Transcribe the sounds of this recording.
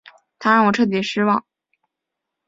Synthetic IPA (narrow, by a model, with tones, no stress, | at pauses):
t̪ʰa˥ɻɑ˥˩wɔ˨˩ʈ͡ʂʰɤ˥˩t̪̬ji˧˥ʂɻ̩˥wɑ˥˩ŋ